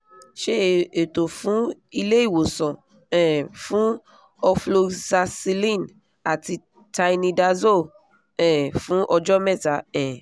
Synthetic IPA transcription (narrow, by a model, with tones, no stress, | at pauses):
ʃe˦e˨to˨fũ˨˦i˧le˦i˦˨wo˨sɔ̃˨ | ɛ̃˨fũ˦ | ɔ˧flo˧za˧si˧lĩ˦˨n | a˨ti˧ | ta˧i˧nĩ˧da˧zo˦˨ | ɛ̃˨fũ˦ʔɔ˧d͡ʒɔ˦mɛ˦˨ta˨˦ɛ̃˨